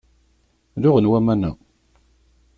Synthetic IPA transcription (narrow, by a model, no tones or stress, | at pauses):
ðʊʁənwæmænæ